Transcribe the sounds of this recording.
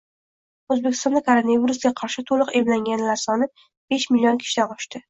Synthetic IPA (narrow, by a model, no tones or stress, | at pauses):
ozbekʲɪ̥st̪ɒnd̪akʰoɾonaviɾusɡʲaqʰɑɾʃɪt̪ʰolˠɨqe̞blaŋɡʲanlaɾsɒnɪ | b̥e̞ʃmɪlijonkʲʰɪ̥ʃɪt̪aqɒʃt̪ɪ